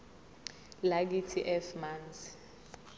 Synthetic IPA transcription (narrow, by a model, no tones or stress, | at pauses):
lak̬itʰiʔɛfmant͡si̥